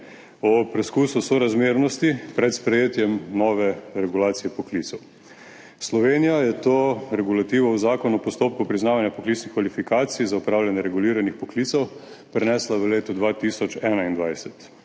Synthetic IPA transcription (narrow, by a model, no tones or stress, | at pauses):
ɔpɾɛskuːsusɔɾazmeːɾnɔst̪ipɾɛt̪spɾɛjeːt̪jɛmnɔːʋɛɾɛɡulaːt̪sijɛpɔkliːt̪sɔw | slɔʋenijajɛt̪oːɾɛɡulat̪iːʋɔwzaːkɔnuɔpɔst̪oːp̚kupɾiznaːʋanjapɔklitsnixkʋalifikaːt̪sijzaupɾaːwljanjɛɾɛɡuliːɾanixpɔkliːt̪sɛw | pɾɛnɛːslaʋəleːt̪ɔd̪ʋat̪isɔt͡ʃɛːnaind̪ʋajsɛt̪